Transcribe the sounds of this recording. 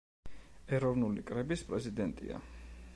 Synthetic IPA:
ɛɾɔvnulikʼɾɛbispʼɾɛzid̪ɛnt̪ʼḭa̰

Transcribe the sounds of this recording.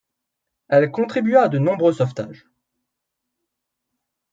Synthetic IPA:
ɛlkɔ̃t̪χibɥaːd̪ənɔ̃bʁøsɔft̪a̰ːʒ

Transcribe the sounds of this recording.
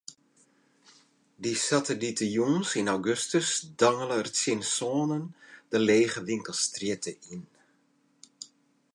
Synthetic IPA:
disatəlitəjunsinawɡøstəsdɑŋələərtsɪnsoːnənd̥əleːɣəʋɪŋkəlˠstrjɪtəin

